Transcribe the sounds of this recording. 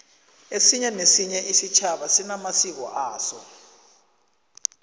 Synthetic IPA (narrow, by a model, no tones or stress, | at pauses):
esiɲɛnesiɲɛʔisit͡ʃʰaɓasinamasik̬ɔ̰ʔaːsɔ